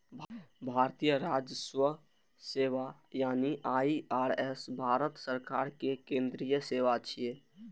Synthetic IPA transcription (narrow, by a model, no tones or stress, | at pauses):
bbʱaɾt̪ijəɾad͡ʒəswə | seʋajaːniʔaiaɾɛsbʱaɾət̪səɾkaɾkekẽnd̪ɾijəseʋat͡ʃʰije